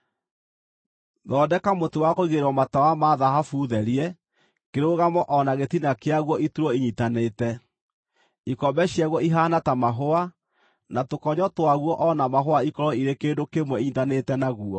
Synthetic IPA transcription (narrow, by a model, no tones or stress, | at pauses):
ðɔːdɛkamotowakoiɣeɾɔmatawamaðaɦafuðɛɾiɛ | keɾoɣamɔʔɔnaɣetinakeaɣwɔʔituɾɔiɲitanetɛ | ikɔbɛɕjaɣwɔiɦaːnatamaɦoa | natokɔɲɔtowaɣwɔʔɔnamaɦoaikɔɾɔiɾekeːndokemwɛiɲitanetɛnaɣuɔ